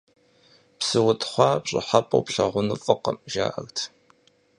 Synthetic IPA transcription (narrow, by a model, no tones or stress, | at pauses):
psɨwʊtʰχʷɑːpɕʼɪ̰ħapʼɐ̰wpɬɐʁʷʊnɨfʼɨqəmʒa̰ːʔɐɣtʰ